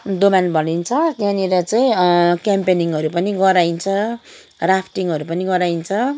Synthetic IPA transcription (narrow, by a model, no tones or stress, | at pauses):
d̪omanbʱʌnint͡sʰʌt̪aniɾʌt͡saĩkjampeniŋʌɾupʌniɡʌɾaint͡sʰʌ | rapʰʈiŋʌɾupʌniɡʌɾaint͡sʰʌ